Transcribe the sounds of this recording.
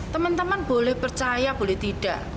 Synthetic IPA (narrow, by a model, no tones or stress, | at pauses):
t̪əmənt̪əmənb̥olɛhpərt͡ʃajab̥olɛht̪iɖ̥ä̤ʔ